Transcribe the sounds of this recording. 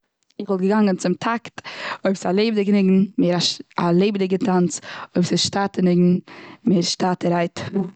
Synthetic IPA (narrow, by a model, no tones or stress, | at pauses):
ɪχvɔlˠt̚ɡəɡaŋɡənt͡sɪmtʰaktoɪpsalˠeɪbdɪknɪɡn̩meːɾaʃalˠeɪbdɪɡətʰant͡soɪbsɪsʃtatənɪɡn̩meːɾʃtaːtəɾaɪt